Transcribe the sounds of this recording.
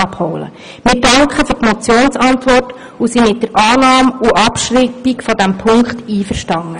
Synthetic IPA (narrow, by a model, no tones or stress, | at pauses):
ɑphoʊlə̰ | mɪɾdɑŋkχəfyɾtmɔt͡sjoːnsɑntʋɔrt | usimɪt̚dəɾʔɑːnɑːmuʔɑpʃripikfɔdæmpʰʊŋkχtiːfərʃtɑŋːə